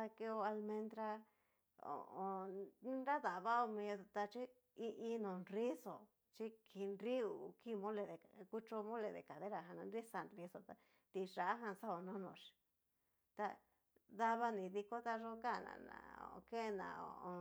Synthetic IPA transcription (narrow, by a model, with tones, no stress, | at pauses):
a˧ke˧o˧a˧lmẽ˧nd̪ɾa˧ | o̰˨ʔõ˧˦nɾa˦ða˨βa˦o˧mĩ˧t̪a˧t͡ʃi˦ | i˧ʔĩ˧nõ˨nɾi˦so˨ | t͡ʃi˦kʰi˧nɾi˦u˨ki˦˨˧mõ˦le˧ðe˨ku˦t͡ʃo˧mõ˦le˨ðḛ˨ka˨ðe˦ɾa˨ɦa˧nã˧nɾi˦sa˧nri˧so˧t̪a˧ | t̪i˧ʐa˨a˦ɦã˧sa˦o˨nõ˦nõ˨ʃi̥˨ | t̪a˧ | ða˧βa˧nĩ˨ði˧ko˦t̪a˧ʐo˦ka˦˨nã̰˨˧nã̰˨˧˨o̰˨˧ke˦˧nã̰˨o̰˧˨õ˧